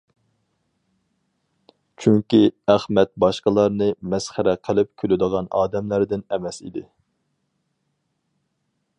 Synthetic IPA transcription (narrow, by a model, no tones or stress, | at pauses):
t͡ʃʰyŋkʲiæχmɛt̪̚bɑʃqəlˠɑɾnɨmɛsχæɾɛqʰəlˠɪp̚kʲʰølyd̪əʁɑnɑːd̪ɛmlæɾd̪ɪnɛmɛsḭd̪ɪ